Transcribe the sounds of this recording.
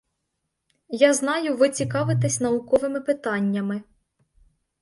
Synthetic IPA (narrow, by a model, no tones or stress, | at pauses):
jaznɑjʊʋɪt͡sʲikɑʋɪt̪ɛsʲn̪ɐʊkɔʋɪmɪpɪt̪ɑnʲːɐmɪ